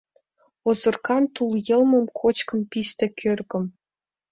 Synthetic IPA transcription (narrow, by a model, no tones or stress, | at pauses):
ozɤ̆rkɑnt̪ulˠjɤ̆lˠmɤ̆mkʰot͡ɕkɤ̆npist̪ĕkʲʰørɣə̆m